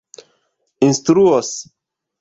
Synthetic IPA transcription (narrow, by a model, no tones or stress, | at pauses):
inst̪ɾuos